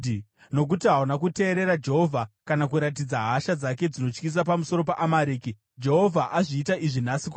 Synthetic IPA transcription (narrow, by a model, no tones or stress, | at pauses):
no̞k̬utiɦaunakute̞ːɾe̞ɾad͡ʒe̞ɦo̞vʱakanakuɾat̬id͡zaɦaʃad͡zak̬e̞d͡zino̞t͡ʃkis̬ap̬amuso̞ɾo̞paʔamaɾiːki | d͡ʒe̞ɦo̞vʱaʔaʐiːtaʔiʐinasik